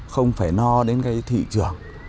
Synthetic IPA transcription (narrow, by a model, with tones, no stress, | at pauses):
xə˧wŋ͡mfaː˧˩jnɔ˧ɗe˨˦nka˨˦jt̪ʰḭ˧˨t͡ɕɨ˧˩əŋ